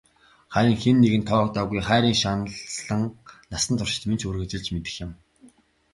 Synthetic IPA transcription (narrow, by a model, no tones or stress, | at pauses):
χæɾʲə̆ŋxenːeɣɘ̆nt̪ʰɔːkt̪aːɣujχæːɾʲiːŋʃanɮɮə̆ŋnasə̆nt̪ʰʊr̥ʃɪ̥̆t̪ment͡ɕʰurɣɘ̆t͡ɕɪ̆ɮt͡ɕmet̪ɘ̥̆xjɪ̆m